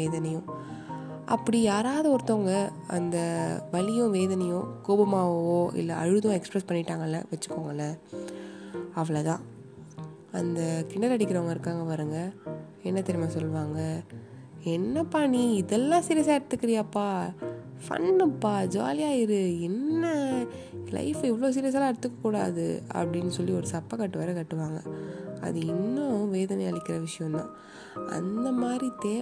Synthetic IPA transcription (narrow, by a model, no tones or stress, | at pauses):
ʋeːðɐnɐjʊ̃ | ʔɐ̰pːɐɽijaːɾaːðɐɔɾɯt̪ːõːŋɡɐ | ɐ̰nd̪ɐʋɐɭɪjʊ̃ʋeːðɐnɐjʊ̃koːbɐmaːʋoːʔɪ̰lːɐʔɐ̰ɻɯðʊ̃ɛkspɾɛspɐɳːɪʈːaːŋɡɐlːɐ̰ʋɐt͡ʃːɯ̥kːoːŋɡɐlːɐ | ɐʋɐɭɐt̪ãː | ɐnd̪ɐkɪɳːɐlɐɽɪkːɪɾɐʋɐŋɡɐɪɾɯkːaːŋɡɐʋɐɾɯŋɡɐ | ɛnːɐt̪ɛɾɪmaːsɔlːɯʋaːŋɡɐ | ɛnːɐpaɳiɪðɛlːãːsɪɾjɐsaːɪɾɯt̪ːɯkːɪɾɪjɐpːaː | fɐ̰nɐpːaːd͡ʒa̰ːlɪjaːɪɾɯɛnːɐ | lɐ̰ɪfɛʋːɐɭoːs̬ɪɾɪjɐs̬aːlãːɐɽɯt̪ːɯkːɐkːuːɽa̰ːðɯ̰ɐ̰pːɐɽɪnːɯsɔlːiɔɾɯsɐpːɐkɐʈːɯʋɐɾɐkɐʈːɯʋaːŋɡɐɐ̰ðɯɪnːõʋeːðɐnɐɪɐɭɪkʲːɪɾɐʋɪʂɐjɔ̃nã̰ː | ɐ̰nd̪ɐmaːd̪ɾit̪eː